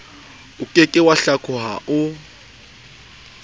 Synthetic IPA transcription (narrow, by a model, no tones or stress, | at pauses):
ukʼɛkʼɛwaɬakʰʊɦa̰ʔʊ